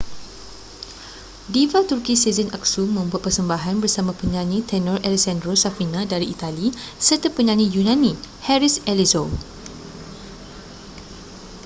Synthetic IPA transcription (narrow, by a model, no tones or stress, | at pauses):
divat̪urkisizənak̚sumə̃mbuat̪̚pərsəmbaɦanbərsamãpəɲãnĩt̪ɛnɔrʔɛlisɛndɾosafinãdaɾiit̪ali | sərt̪əpəɲãnĩjunãnĩhɛɾisɛlizo